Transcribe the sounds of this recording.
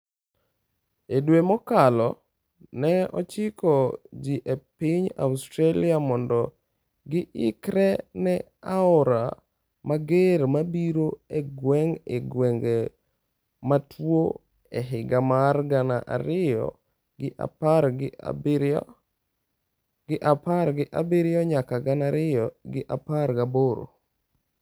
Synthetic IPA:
edwemɔkalɔ | nɛɔ̰t͡ʃɪkɔd͡ʒiʔepiɲa̰ustɾalɪamɔndɔ | ɡɪʔɪkɾɛnɛ | aɔɾa | maɡeɾmabiɾoeɡwɛŋeɡwɛŋɡe | matʰwo | ɛɦɪɡamarɡanaʔa̰ɾɪjɔ̰ | ɡɪʔa̰paɾɡɪ̰b | ɡɪʔapaɾɡɪʔabiɾɪjɔɲakaɡanaɾɪjɔɡɪʔapaɾɡaboɾo̰

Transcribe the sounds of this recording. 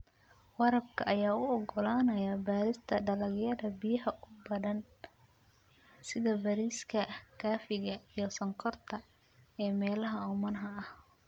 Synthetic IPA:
wɑɾɐbkʰɐʔɐjaːʊɔɡɔlaːnɐjɐbaːɾɪst̪ʰɐɖɐlɐɣjɐðɐbijɐhɐʔʊbɐðɐn | sɪðɐbɐɾiːskʰɐkʰaːfɪɣɐijɞsɐŋqʰɔrt̪ʰɐ | ɛːmɛːlɐɦɐʊmɐnɦɐɐh

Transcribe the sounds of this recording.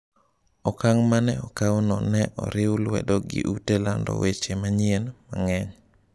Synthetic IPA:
ɔkaŋmanɛɔkawnɔnɛʔɔ̰ɾɪwʊlwɛ̰dɔɡɪ̰ʔutelandɔ̰wʔet͡ʃemaɲɪenmaŋɛɲ

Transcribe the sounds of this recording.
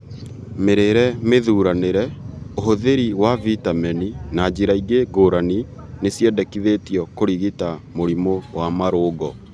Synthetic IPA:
meɾeɾɛmeðuːɾaneɾɛoɦoðeɾiwavitamɛninad͡ʑiɾaiɡeɡoːɾani | nesjɛdɛkiðetiɔkoɾiɣitamoɾimowamaɾoːɡɔ

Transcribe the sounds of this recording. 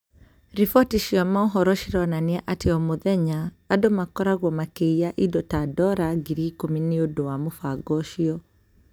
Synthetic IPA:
ɾifɔtiʃiɔmaɔɦɔɾɔʃiɾɔnaniaʔatɛɔmuðɛɲaː | dɔmakɔɾaɣwɔmakeiaʔidɔtadɔɾaɡiɾikuminiodɔwamufaɡɔʃiɔ

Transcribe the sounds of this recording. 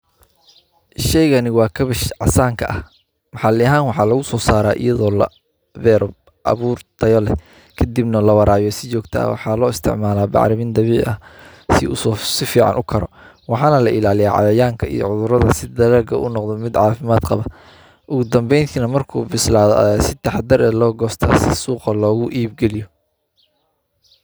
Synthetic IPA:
ʃɛjɣɐnɪwɑːkʰɐβɪʃʕɑ̰saːŋkʰɐʔɐh | mɑħɑlɪɦaːnwɑħɑːlɐɣʊsɔːsaːɾaːʔḭjɐðɔːlɐ̰ | bɛːɾɔ | ʔɐ̰βuːrt̪ʰɐjɔlɛ̰ | kʰɐd̪ibnɐlɐwɐɾaːjɔsɪt͡ʃɔːɡt̪ʰɐ̰ːwɑ̰ħɑːlɔːɪst̪ʰɪ̰ʕmaːlaːbɑ̰ʕɾɪmiːnd̪ɐβiːʕʔɐ | sɪ̰ʊssɪfiːʕɑ̰nʔʊkʰɐɾɔ̰ | wɑħɑːnɐlɐʔɪlaːlɪjaːʕɑ̰jɐjaːŋkʰɐḭjɔ̰ʕʊðʊɾɐðɐsɪd̪ɐɾɛːɡʰɐʔʊnɔqd̪ɔmɪd̪ʕɑːfɪmaːd̪qɑβɐ | ʔʊɣʊd̪ɐmbɛjnt̪ʰiːnɐmɐrkʰṵːbɪslaːðɔ̰ʔsɪt̪ʰɑħɑd̪ɐɾɛːlɔːɡɔːst̪ʰa̰ːsɪsuːqɐlɔːɣʊʔiːb̚ɡɛlɪjɔ

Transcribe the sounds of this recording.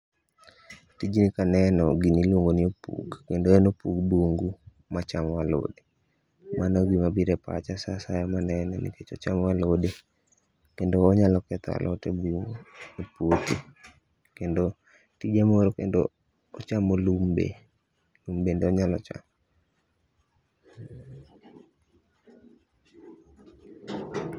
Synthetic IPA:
tid͡ʒinikanɛnɔɡinilwoŋɡoniopṵkkendoenopukboŋɡu | mat͡ʃamwalo̰de | mʔanɔɡimabiɾɛpa̰t͡ʃasasajɔmanɛnɛnḭket͡ʃɔt͡ʃamwalode | kendoːɲalɔkɛt̪a̰lʔɔtɛbunɛpoti | kɛndɔ | tid͡ʒeɛmoɾɔkɛndɔ̰ː | t͡ʃamolumbḛ | lumbendoɲalɔt͡ʃa̰m

